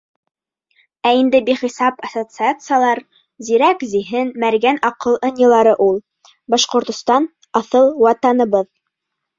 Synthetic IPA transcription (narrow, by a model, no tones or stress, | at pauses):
æind̪ɘbiχisɑpɐsot̪sɨat̪sɨjalˠɑɾ | ziɾækziɦɘnmæɾɡænɑqɤlˠɤ̆nʲːɤ̆lˠɑɾɤʔulˠ | bɑʃqŏɾt̪ŏst̪ɑn | ɑθɤlˠwɑt̪ɑnɤ̆βɤð